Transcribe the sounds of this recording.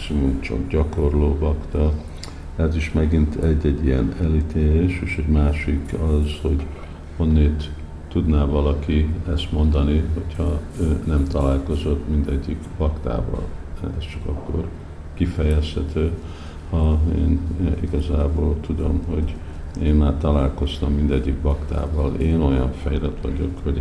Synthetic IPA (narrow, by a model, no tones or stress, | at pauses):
ksimumt͡ʃɒ̰kɟɒko̞rloːvɒkt̪ɒ | ɛziʃmɛɡint̪ʰɛɟːɛɟːijɛ̰nɛlit̪ʰeːleːʃeːʃɛɟmaːʃikɒzho̞ɟ | honːeːt̪ː | ud̪naːvɒlɒkiɛst̪mo̞nd̪ɒniɦo̞chɒøːnɛmt̪ɒlaːlko̞zo̞t̪mind̪ɛɟːikbɒkt̪a̰ːvɒ̰lɛ̰st͡ʃɒkɒkːo̞r | kifɛjɛsh̪ɛt̪øː | hɒḛːniɡɒzaːboːlt̪ud̪o̞mɦo̞ɟ | eːnmaːrt̪ɒlaːlko̞st̪ɒmːind̪ɛɟːikbɒkt̪a̰ːvɒleːno̞jɒɱfɛjrɛt̪ʋɒ̰ɟo̞̰kho